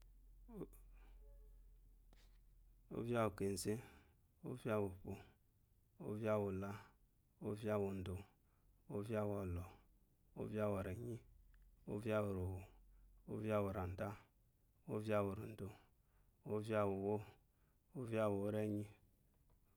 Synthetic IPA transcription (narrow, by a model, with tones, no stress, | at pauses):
o̰˦vja˦wo˨ke˨n˨ze˦ | o̰˦vi˦a˦wo˨po˨ | o̰˦va˦wo˨la˦ | o˦vi˦a˦wo˨n̩˨do˨ | o˦vi˦a˦˨wa˨lɔ˨ | o̰˦va˦wo˨ɾe˨ɲi˦o̰˦vi˦a˦wo˨ɾo˨wo˨o˦vi˦a˦wo˨ɾa˨n̩˨da˦ | o˦vi˦a˦wo˨ɾo˨n̩˨do˨ | o˦vi˦a˦wo˨wo˦ | o˦vi˦a˦wo˨o˦ɾe˦ɲi˦